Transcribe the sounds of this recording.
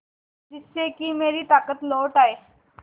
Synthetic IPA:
t̪isːekiːmeɾiːt̪akət̪lɔʋʈaj

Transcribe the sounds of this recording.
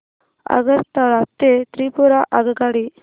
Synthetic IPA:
ɐ̰ɡɐɾt̪aɭat̪ːet̪ɾiːpuɾaʔɐɡɐɡaːɽi

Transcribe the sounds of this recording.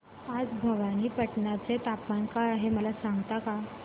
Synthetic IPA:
ad͡zbʱəʋañiːpəʈɳjat͡set̪apmankaaɦeməlasãŋɡt̪aka

